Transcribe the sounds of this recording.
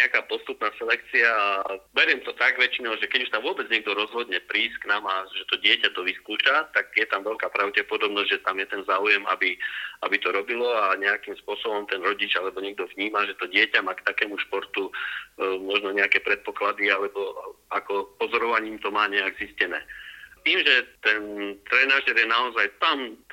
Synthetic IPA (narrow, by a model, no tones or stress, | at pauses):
ɲɛakaːpɔst̪upnaːsɛlɛk̚t͡siaːbɛɾɪɛmt̪ɔt̪aɡʋɛt͡ʃinɔʊʒɛkɛɟuʃt̪aʋʊɔbɛd͡zɲɛɡ̚d̪ɔɾɔzɦɔd̪ɲɛpɾiːsknaːmaʒɛt̪ɔɟɪɛcat̪ɔʋiskuːt͡ʃat̪aɡjɛt̪amʋɛʎkapɾaʊcɛpɔd̪ɔbnɔzɟʒɛt̪amjɛt̪ɛnzaːujɛma̰bia̰bit̪ɔɾɔbilɔaɲɛakimspʊɔsɔbɔmt̪ɛnɾɔɟid͡ʒalɛbɔɲɛɡ̚d̪ɔvɲiːmaʒɛt̪ɔɟɪɛcamaːkt̪akɛːmuʃpɔɾt̪u | mɔʒnɔɲɛakɛːpɾɛt̪̚pɔklad̪ialɛbɔakɔpɔzɔɾɔʋaɲiːmt̪ɔmaːɲɛaɡziscɛnɛ̰ːt̪iːmʒɛt̪ɛnt̪ɾɛːnaːʒɛɾjɛnaɔzajt̪am